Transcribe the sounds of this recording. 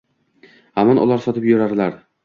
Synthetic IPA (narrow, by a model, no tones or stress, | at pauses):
hamɒnʔɒ̰lˠaɾsɒt̪ʰɪpjʊɾad̪laɾ